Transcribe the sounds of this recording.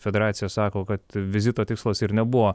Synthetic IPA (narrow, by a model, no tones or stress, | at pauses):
fʲɛd̪ʲɛɾɑːt̪sʲɪjɛsɑːkoːkɐt̪ʋʲɪzʲɪt̪oːt̪ʲɪkslˠɐsɪɾnʲɛbuʋoː